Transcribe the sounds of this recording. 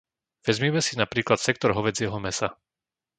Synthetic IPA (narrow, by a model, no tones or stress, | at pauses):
ʋɛzmiɛmɛsinapɾiːklat̪sɛkt̪ɔɾɦɔʋɛd͡zɪɛɦɔmɛsa